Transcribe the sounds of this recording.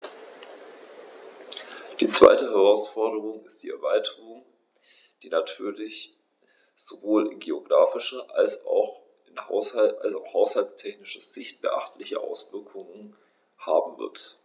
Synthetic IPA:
d̥iːt͡sv̥a̰ɪtəɦɛʁ̞aʊsfɔɐdəʁ̞ʊŋɪstd̥iːɛɐvaɪtʰəʁʊŋ | d̥iːnatʰyːɐlɪç | z̥ovoːlɪnɡeoɡʁaːfɪʃɐʔa̰lsa̰ʊx | ɪnalsaʊxhaʊshalt͡stʰɛçnɪʃɐz̥ɪçt̚b̥ə̰ʔa̰χtʰlɪçə̰ʔa̰ʊsv̥ɪɐkʰʊŋən | haːbm̩vɪ̰ɐt

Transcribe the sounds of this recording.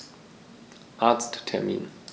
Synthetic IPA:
ʔaɐt͡sttʰɛɐmḭːn

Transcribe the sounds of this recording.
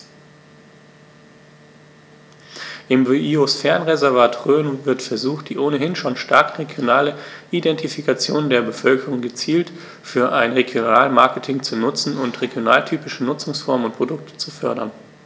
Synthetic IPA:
ʔɪmvyʔiosfɛɐnʁezɛɐvaːtʁøːnvɪɐtfɛɐzuːxtd̥iːʔoːnəɦɪnʃoːnʃta̰ɐkʁeɡjonaːləʔidɛntifikat͡sjoːndeːɐbəfœlkəʁʊŋɡət͡siːlt | fyːɐʔaɪnʁeɡjonaːlmaɐkətʰɪŋt͡sunʊt͡sn̩ʊntʁ̥eɡjona̰ːltʰyːpɪʃənʊt͡sʊŋsfɔɐmənʊnt̚pʁ̥odʊk̚tʰə̥t͡sufœɐɾɐn

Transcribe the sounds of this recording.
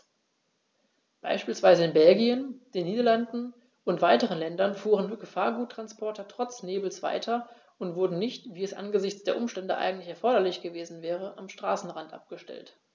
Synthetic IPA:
b̥a̰ɪʃpiːlsv̥aɪzəɪnbɛlɡiənd̥eːnːiːdɐlandn̩ | ʊntv̥aɪtəʁ̞ənlɛndɐnfuːʁənɡəfaːɐɡuːtːʁ̥anspʰɔɐtɐtʁ̥ɔt͡sneːbl̩sv̥a̰ɪtʰɐ | ʊntv̥ʊɐdn̩nɪçtv̥iːɛsʔa̰nɡəzɪçt͡sd̥eːɐʔʊmʃtɛndəʔa̰ɪɡŋ̩tlɪçɛɐfɔɐɾɐlɪçɡ̥əveːzn̩vɛːʁəʔamʃtʁ̥a̰ːsn̩ʁantʔa̰p̚ɡ̥əʃtɛ̰lt

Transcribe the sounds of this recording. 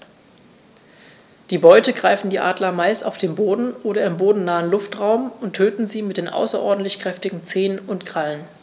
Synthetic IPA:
d̥iːbɔʏtəɡʁaɪfn̩diːʔa̰ːdlɐmaɪstaʊfd̥eːnboːdn̩ʔoːɾɐɪmboːdn̩naːənlʊftʁaʊmʊntʰøːtn̩ziːmɪtd̥eːnʔa̰ʊsɐʔɔ̰ɐdn̩tlɪçkʁ̥ɛftɪɡŋ̩t͡seːənʊntɡ̥ʁ̥alən

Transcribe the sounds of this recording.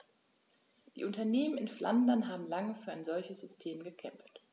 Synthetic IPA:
d̥ḭːʔʊntɐneːmənɪnflʔa̰ndɐnɦaːbm̩laŋəfyːɐaɪnzɔlçəsz̥ʏstʰeːmɡəkʰɛ̰mft

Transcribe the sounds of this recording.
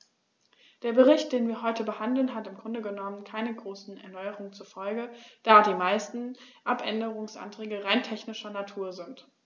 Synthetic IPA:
d̥eːɐbəʁ̞ɪçt̚d̥eːnviːɐɦɔʏtəbəhandl̩nɦatɪmɡʁʊndəɡənɔmənkʰaɪnəɡʁoːsn̩ɛ̰ɐnɔʏəʁʊŋənt͡suɐfɔlɡəd̥aːdiːmaɪstn̩ʔapʔɛ̰ndəʁ̞ʊŋsʔa̰ntʁ̥ɛːɡəʁaɪntʰɛçnɪʃɐnatʰuːɐzɪnt

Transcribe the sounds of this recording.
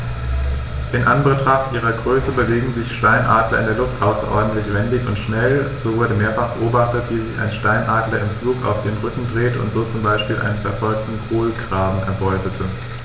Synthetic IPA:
ʔɪnʔanbətʁ̥aχtʔiːʁɐɡʁøːsəbəveːɡŋ̩zɪçʃtaɪnʔa̰ːdlɐɪndeɐlʊftʔaʊsɐ̰ʔɔ̰ɐdn̩tlɪçv̥ɛndɪçʊ̰ntʃnɛlzoːvʊɐɾəmeːɐfaχb̥əʔoːbaχtətv̥iːzɪça̰ɪnʃtaɪnʔaːdlɐɪmfluːka̰ʊfd̥eːnʁʏkŋ̩dʁeːtʊ̰ntz̥oːt͡sʊmbaɪʃpiːlʔa̰ɪnənfɛɐfɔlk̚tn̩kʰoːlɡʁaːbm̩ʔɛ̰ɐbɔʏtətʰə

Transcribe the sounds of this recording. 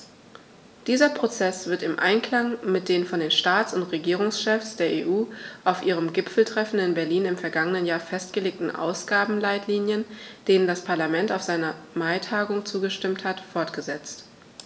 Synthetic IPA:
d̥iːzɐpʁ̥ot͡sɛsv̥ɪɐtɪmʔa̰ɪnkl̥aŋmɪt̚d̥eːnfɔndeːnʃtaːt͡sʊntʁeɡiːʁ̞ʊŋsʃɛfsd̥eːɐʔeːʔuːʔaʊfʔiːʁ̞əmɡɪpfl̩tʁ̥ɛfn̩ɪnbɛɐliːnɪmfɛɐɡaŋənənjaːɐfɛstɡ̥əleːk̚tn̩ʔa̰ʊsɡ̥aːbm̩laɪtʰliːnjənd̥eːnəndaspʰaɐlamɛntaʊfz̥aɪnɐmaɪtʰaːɡʊŋt͡suːɡəʃtɪmthatfɔɐtɡ̥əzɛt͡st

